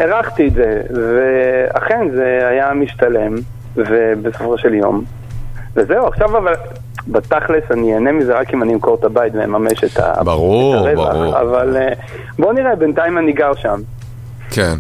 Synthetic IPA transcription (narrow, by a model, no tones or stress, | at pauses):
eʁaχt̪iːtzevea̰χe̞nzeajamiʃtale̞m | vebesofʁoʃe̞ljo̞̰m | vezeuaχʃavaval | bat̪aχlesanienemizeʁakimanimkoʁt̪abaitvenmameʃeta̰baʁuaʁeva̰χa̰val | bo̞niʁebentaimaniɡaʁʃam | ken